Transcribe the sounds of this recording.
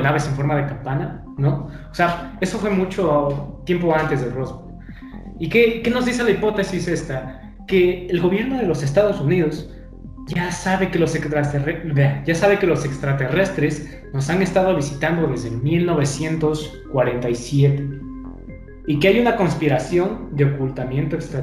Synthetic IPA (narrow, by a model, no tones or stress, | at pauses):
naβe̞se̞ɱfo̞ɾmað̞e̞kampana | no̞ | oseae̞so̞fwe̞mut͡ʃo̞t̪je̞mpo̞ant̪e̞zðero̞zβo | ike̞ke̞no̞zðis̬e̞laipo̞t̪e̞sise̞st̪a | ke̞ːlɣo̞βje̞ɾno̞ð̞e̞lo̞se̞s̬t̪að̞o̞sunið̞o̞z | ʝasaβe̞ke̞lo̞sekst̪ɾat̪erebeaʝasaβ̞e̞ke̞lo̞se̞kst̪ɾat̪e̞re̞st̪ɾe̞z | no̞sane̞st̪að̞o̞β̞isit̪and̪o̞ðe̞zðelmilno̞β̞e̞sje̞nt̪o̞s | kwaɾe̞nt̪ajsje̞t̪e | ikeajunako̞nspiɾasjo̞nd̪e̞o̞kult̪amjẽ̞nt̪o̞e̞kst̪ɾa